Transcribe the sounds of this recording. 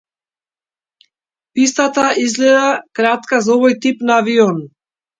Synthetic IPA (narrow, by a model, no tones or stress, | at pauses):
pist̪at̪aʔizlɛd̪akɾat̪kazɔvɔjt̪ipnaːviɔn